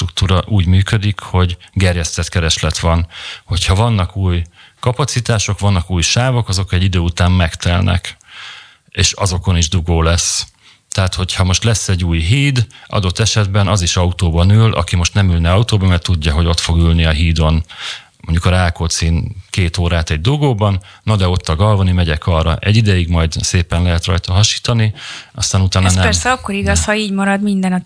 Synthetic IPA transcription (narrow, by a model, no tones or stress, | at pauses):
t̪ɾukt̪uːɾɒʔuːɟmyːkød̪ikho̞ɟɡɛrjɛst̪ɛt̪kɛɾɛʃlɛt̪ʋɒnho̞cʰhɒvɒnːɒkuːj | kɒpɒt̪sit̪aːʃo̞kʋɒnːɒkuːjʃaːvo̞kɒzo̞kɛɟːid̪øːut̪aːmːɛkt̪ɛlnʔɛ̰k | eːʃɒ̰zo̞ko̞niʒd̪uɡoːlɛs | t̪ɛɦaːt̪ho̞chɒmo̞ʃt̪lɛsːɛɟːuːjɦiːd̪ʔɒ̰d̪ot̪ːɛʃɛd̪bɛnɒziʃɒut̪oːbɒnyːlʔɒ̰kimo̞ʃt̪nɛmylnɛɒut̪oːbɒmɛrt̪uɟːɒɦo̞ɟo̞t̪fo̞ɡylniɒɦiːd̪o̞n | moɲɟukɒɾaːkot̪siːnkeːt̪oːɾaːt̪ɛɟ̚d̪uɡoːbɒnːɒd̪ɛo̞t̪ːɒɡɒlvonimɛɟɛkɒrɒ̰ʔɛɟːid̪ɛjiɡmɒjd̪seːpɛnlɛɦɛt̪rɒjt̪ɒɦɒʃi̥ːt̪ɒniɒst̪aːnut̪aːnɒsnɛpɛrsɛɒkːo̞ɾiɡɒshɒiːɟmɒɾɒd̪mind̪ɛnɒ